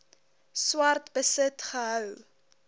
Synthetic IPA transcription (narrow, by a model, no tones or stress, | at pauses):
swɐrtbəsətχəɦœw